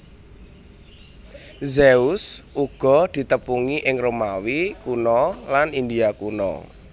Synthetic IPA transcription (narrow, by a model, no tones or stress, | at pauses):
zeusʔuɡ̥ɔ̤d̪̥i̤t̪əpuŋiʔɪŋromawikunɔlanind̪iakunɔ̰